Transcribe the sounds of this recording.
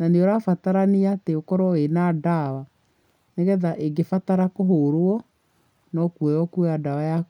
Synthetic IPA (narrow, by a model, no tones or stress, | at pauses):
naneɔɾafataɾaniateokɔɾɔenadawa | neɣɛðaʔeɡefataɾakoɦoɾoɔ | nɔkuɛjɔkuɛadawaja